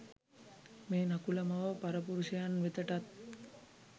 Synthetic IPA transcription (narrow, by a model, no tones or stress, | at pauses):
meːnakuləmɐʋəpaɾəpuɾuʃɐjanʋet̪əʈat̪̚